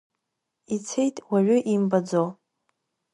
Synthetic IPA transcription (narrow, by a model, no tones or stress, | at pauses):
it͡sʰe̞jtʼwaʕʷʊʔimbad͡zo